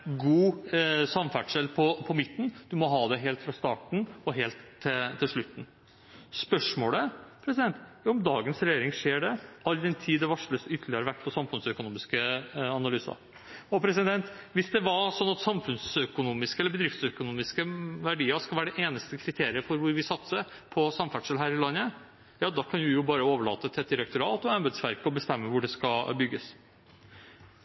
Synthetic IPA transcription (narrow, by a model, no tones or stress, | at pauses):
ɡuːsɑmfæʈʂɛlpʰɔpʰɔmɪt̪ːn̩d̪̥ʉmɔɦɑːd̪ɛɦeːlt̪fɾɑst̪ɑːʈɳ̩ɔɦeːlt̪ʰːɪlʰːɪlʂɭʉt̪ːn̩ | spœʂmoːləpʰɾɛsɪd̪ɛnt̪jɑɔmd̪ɑːɡənsɾɛjeːɾɪŋʂeːɖɛɑlɛnt̪ʰiːd̪ɛʋɑʂləst̪ʏt̪əlɪəɾəʋæʈ̚ːpʰɔsɑmfʉnsœkʊnuːmɪskəɑnɑlyːsɑ̰ɾ | ɔpʰɾɛsɪd̪ɛnt̪ʋɪsd̪ɛʋɑɾsɔnːɑt̪sɑmfʉnsœkʊnuːmɪskəɛlːəɾbəd̪ɾɪft̪sœkʊnuːmɪskəʋæɖiːɑʂkɑʋæːɾəɖɛʔeːnəst̪əkʰɾɪt̪ʰeːɾɪəɾfɔɾʋʊɾʋɪsɑt̪sə | pʰɔsɑmfæʈʂəlɦæːɾɪlɑnːə | jɑːd̪ɑːkʰɑnʋɪjʊbɑːɾəoːʋəɭɑ̰ːt̪ət̪ʰɪɛt̪̚d̪ɪɾɛk̚t̪ʊɾɑːt̪ɔɑmbəd̪sʋæɾkəɔbəst̪ɛmːəʋʊɖɛskɑbʏɡːəs